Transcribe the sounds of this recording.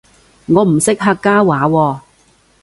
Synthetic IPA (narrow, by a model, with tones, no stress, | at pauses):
ŋɔː˨˧m̩˨˩sɪ˥k̚ɦaː˧kkːaː˥waː˨˥wɔː˧